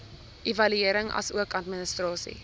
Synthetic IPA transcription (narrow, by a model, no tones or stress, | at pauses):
ʔivɐlyiəɾəŋʔɐ̰suəkɐtmənəstrɑːsḭ